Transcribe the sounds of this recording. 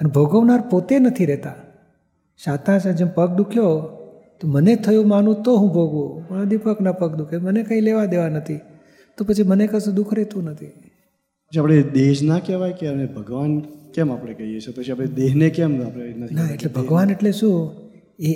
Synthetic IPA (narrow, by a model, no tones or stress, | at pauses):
ənbʱoɡəʋnaɾpot̪enət̪ʰiɾɛɦt̪a | ʃat̪ãt͡ʃʰẽd͡ʒempək̚d̪ukʰjo | t̪omənet̪ʰəjũmanũt̪oɦũbʱoɡʋũpə̃ad̪ipəknapəkd̪ukʰemənekãĩleʋad̪eʋanət̪ʰi | t̪opət͡ʃʰimənekəsũd̪ukʰɾɛt̪ũnət̪ʰi | pət͡ʃʰiapɽ̃ed̪eʃnakɛʋajkeənebʱəɡʋankɛmapɽ̃ekəɦijet͡ʃʰepət͡ʃʰiapɽed̪eɦnekɛmapenət̪ʰinaeʈlebʱəɡʋaneʈleʃũ | e